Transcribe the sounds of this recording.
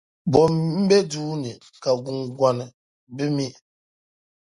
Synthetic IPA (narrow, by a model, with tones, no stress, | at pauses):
bɔ˨mm̩˦bɛ˦duː˦nɨ˨ | ka˨ɡu˨ŋɡʷa˨nɨ˨ | bɨ˦mi˦